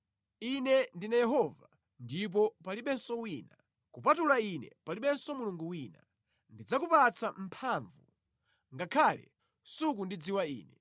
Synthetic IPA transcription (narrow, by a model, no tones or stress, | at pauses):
inɛndinajɛɦɔva | ndip̬ɔpaliɓɛnsɔwiːna | kupatulainɛ̰paliɓɛnsɔmuluŋɡuwina̰ | ndid͡zakupat͡sʰam̩pʰaːɱvu | ŋɡakʰalɛ̰ | suk̬undid͡ziwaḭːnɛ